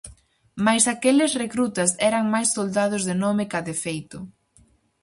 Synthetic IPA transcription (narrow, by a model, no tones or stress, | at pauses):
majsakelɪsrekɾut̪ɐsɛɾɐŋmajssːold̪að̞ʊzðɪnɔmɪkaðefejt̪ʊ